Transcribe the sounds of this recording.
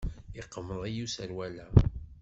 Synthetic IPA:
iqːəməðˤijusəɾwælæ

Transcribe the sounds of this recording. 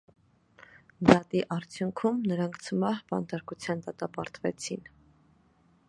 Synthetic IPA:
d̪ɑt̪iʔɑɾt͡sʰjuŋkʰumnəɾɑŋkʰt͡sʰəmɑhbɑ̰nt̪ɑɾkut͡sʰjɑnd̪ɑt̪ɑpɑɾt̪vɛ̰t͡sʰin

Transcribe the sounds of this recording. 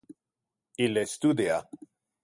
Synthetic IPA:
ilest̪ud̪ja

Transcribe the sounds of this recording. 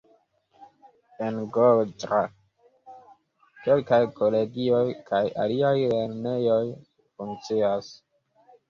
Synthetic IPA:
enɡold͡ʒɾa | ke̞lkajkole̞ɡio̞jkʰaja̰liajle̞ɾne̞jo̞j | fuŋkt͡sias

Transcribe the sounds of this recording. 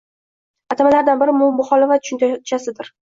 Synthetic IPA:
at̪ʰamalaɾd̪anbɪɾɪmʊmʊχɒlɪfat̪ʊʃʊnt̪t͡ʃʰasɪd̪ɪɾ

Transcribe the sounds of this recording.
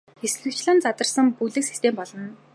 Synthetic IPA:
xesɮɘ̆kt͡ɕɮɘ̆nt͡sat̪ə̆rsə̆ŋpuɮɘ̆ksi̥st̪ʰempɔɮɞ̆n

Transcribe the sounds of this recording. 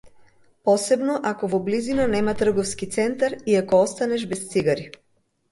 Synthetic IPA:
pɔsɛbnɔʔakɔvɔblizinanɛmat̪r̩ɡɔfskit̪sɛnt̪aɾiakɔɔst̪anɛʒbɛst̪siɡaɾi

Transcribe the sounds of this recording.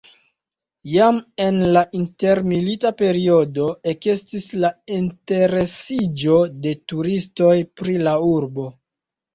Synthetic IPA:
jame̞nlaʔinte̞ɾmilitape̞ɾio̞do̞ekestislainte̞ɾe̞sid͡ʒo̞de̞tuɾisto̞jpɾilauɾbo̞

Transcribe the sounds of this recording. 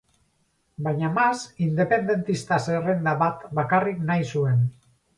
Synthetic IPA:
bajɲamasind̪e̞pe̞nd̪e̞nt̪ist̪aserend̪aβat̪bakariknajsue̞n

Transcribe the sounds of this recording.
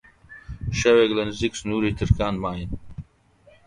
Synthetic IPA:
ʃɐweɡlɛnziksnuːɾit̪ʰɨɾkʰaːnmaːjin

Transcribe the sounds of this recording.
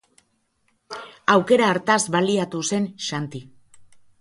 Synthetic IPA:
awke̞ɾaːɾt̪azβaliat̪use̞nʃant̪i

